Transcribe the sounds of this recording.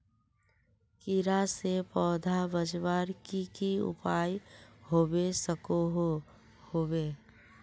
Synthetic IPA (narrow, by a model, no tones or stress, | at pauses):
kɪɾasepɔːd̪ʱabəd͡ʒwaːɾkikiʊ̰paːjhoːwesəkoɦ | hoːweː